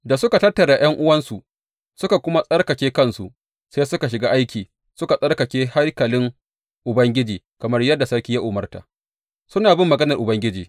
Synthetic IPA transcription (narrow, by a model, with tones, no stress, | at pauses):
da˨sʊ˦ka˨tɐ˦tːɐ˨ɽa˨j̰ɐ˦ŋʔʊ˦wɐ˦nsu˨ʔ | sʊ˦ka˨kʷʊ˦ma˦sʼɐ˦rkɐ˨kʲeː˦kɐ˦nsu˨ʔ | seː˦sʊ˦ka˨ʃ̬ɪ˨ɡaː˦ʔa˦jkʲiː˨ | sʊ˦ka˨sʼɐ˦rkɐ˨kʲeː˦ha˦rkɐ˨lɪ˦ŋ | ʔʊ˨bɐ˦ŋɡʲɪ˦d͡ʒiː˨kɐ˨mɐ˦rjɐ˦dːa˨sɐ˦ɽkʲi˦ja˦ʔʊ˨mɐ˦rta̰˨ | sʊ˦naː˨bɪ˦mːɐ˨ɡɐ˦nɐ˨rʔʊ˨bɐ˦ŋɡʲɪ˦d͡ʒiː˨